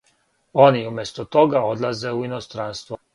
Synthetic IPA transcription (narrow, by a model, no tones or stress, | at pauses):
o̞niumjest̪ot̪o̞ɡao̞d̪lˠaze̞uino̞st̪ɾanst̪ʋo